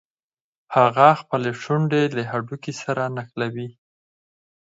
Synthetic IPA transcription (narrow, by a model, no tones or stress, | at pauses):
haɣaxpəleʂuɳɖelaɦaɖukisaɾanaxlawi